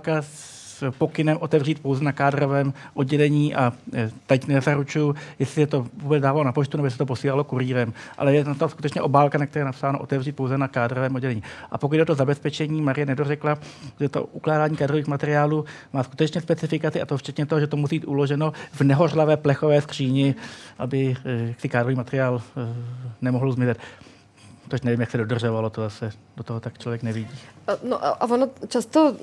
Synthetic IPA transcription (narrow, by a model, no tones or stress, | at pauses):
kas | po̞kɪnɛmʔot̪ɛvriːt̪̚po̞wzɛnakaːdɾo̞vɛːmʔodɟɛlɛɲiːʔat̪acnɛzaɾut͡ʃujʊjɛsɪsɛt̪o̞vuːbɛt͡sdaːvalonapot͡ʃt̪unɛbojs̬ɛt̪opo̞siːlalo̞kuɾiːɾɛmʔa̰lɛjɛnat̪oskut̪ɛt͡ʃɲɛʔo̞baːlkanakt̪ɾɛːjɛnapsaːnoʔo̞̰t̪ɛvriːt̪̚po̞wzɛnakaːdɾovɛːmʔodɟɛlɛɲiːʔa̰pok̬ud̪̚dɛʔot̪ozabɛspɛt͡ʃɛɲiːmaɾɪjɛnɛdor̝ɛklaʒɛt̪o̰ʔuklaːdaːɲiːkaːdɾo̞viːxmat̪ɛɾɪaːluː | maːsku̥t̪ɛt͡ʃɲɛspɛt͡sɪfɪkat͡sɪʔat̪oft͡ʃɛt̪ɲɛt̪oɦoʒɛt̪omusiːbiːt̪ʔulo̞ʒɛno̞vnɛɦo̞rlavɛːplɛxovɛːskr̥iːɲɛʔabɪjaksɪkaːdɾoviːmat̪ɛɾɪaːl | nɛmoɦl̩zmɪzɛt̪ | t͡soʃnɛvimjaksɛdodr̩ʒovalot̪ozasɛ | dot̪oɦot̪akt͡ʃlo̞vjɛknɛvɪɟiːnoʔaʔavonot͡ʃast̪o